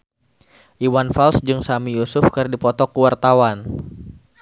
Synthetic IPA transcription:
ʔiwanfalsd͡ʒɨŋsamijusʊfkɨrdipɔt̪ɔkuwart̪awan

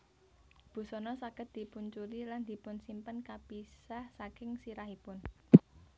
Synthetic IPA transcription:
b̥ṳsɔnɔsakət̪̚d̪̥i̤punt͡ʃuliland̪̥i̤pʊnsimpənkapisahsakɪŋsiɾahipʊn

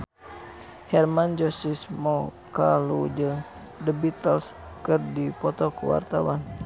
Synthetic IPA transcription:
hɛrmand͡ʒɔsismɔkalud͡ʒɨŋ | dəbit̪əlskɨrdipɔt̪ɔkṵwa̰rt̪awan

